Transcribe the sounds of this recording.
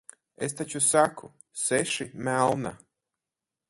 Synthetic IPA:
ḛst̪at͡ɕusakʰṵ | seʃimalˠna̰

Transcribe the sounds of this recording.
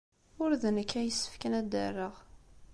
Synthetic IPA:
ʊɾðənəkʰːæjəsːə̥fkænæd̪ə̰rːəʁ

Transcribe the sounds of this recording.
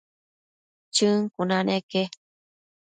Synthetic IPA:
t͡ʃɨŋkunãneke

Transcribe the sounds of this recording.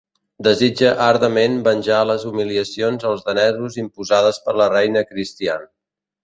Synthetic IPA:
d̪əzid͡ʒəʔaɾðəmenbənʲʒaləzumiliəsionzəlˠzðənɛðɾuzimpuzað̞əspəɾlərɛjnəkɾist̪ian

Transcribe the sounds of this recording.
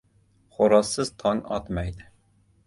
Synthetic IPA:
χoɾɑsːɨz̥t̪ʰɑŋɑ̰t̪mɛjd̪ɪ

